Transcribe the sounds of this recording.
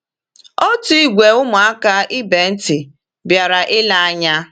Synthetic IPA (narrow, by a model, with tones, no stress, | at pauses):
o˦tʊ˦i˦ɡʷe˨ʊ˦mʊ˨a˦ka˦ɪ˦be˨n̩˦tɪ˨ | bja˨ɾa˨ʔɪ˦la˦a˦ɲa˦